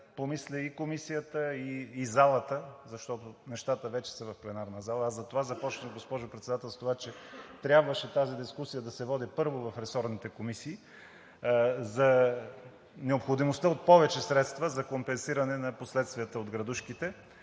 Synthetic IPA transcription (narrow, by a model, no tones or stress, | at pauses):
pomislʲɛikomisijət̪əiːzalˠət̪əzɐʃt̪ɔt̪onɛʃt̪at̪əvɛt͡ʃɛ̥səvɐfplɛnaɾnəzalˠəːzɐt̪ovazɐpɔt͡ʃnʲəɡospɔʒʊpɾɛt̪sɛd̪at̪ɛlˠst̪ovat͡ʃɛt̪ɾʲjabvəʃɛt̪azid̪iskusijəd̪ɐsɛvɔd̪ipɤɾvovɐfɾɛsɔɾnit̪ɛkomisiː | zɐ | nɛopxod̪imost̪əot̪̚pɔvɛt͡ʃɛsɾɛt̪st̪vəzɐkompɛnsiɾɐnɛnɐposlɛt̪st̪vijət̪əod̪ɡɾɐd̪uʃkit̪ɛ